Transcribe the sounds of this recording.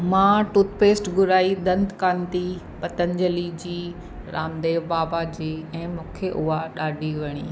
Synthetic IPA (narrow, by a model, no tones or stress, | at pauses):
mãːʈut̪peːsʈɡʊɾaːid̪ɐ̃nd̪kãːnt̪i | pɐt̪ənd͡ʑəlid͡ʑiː | ɾaːmd̪eːʋbaːbad͡ʑiːɛ̃ːmũːkʰeʔʊɦaɗaːɖʱiʋɐɽ̃ḭː